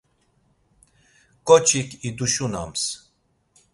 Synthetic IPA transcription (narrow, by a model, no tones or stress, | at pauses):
kʼɔt͡ʃʰʼikʰid̪uʃuna̰ms